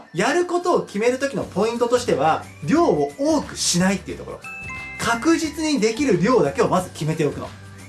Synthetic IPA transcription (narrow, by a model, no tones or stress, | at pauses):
jaɾɯ̟ko̞t̪o̞ːkʲime̞ɾɯ̟t̪o̞kʲino̞po̞ĩnt̪o̞t̪o̞ɕi̥t̪e̞β̞a | ɾʲo̞ːooːkɯ̟̥ɕinait̪ːe̞iɯ̟t̪o̞ko̰ɾo̞̰kʰakɯ̟ʑit͡sɨɲ̟id̪e̞kʲiɾɯ̟ɾʲo̞ːd̪ake̞o̞mazɨkʲime̞t̪e̞o̞kɯ̟no̰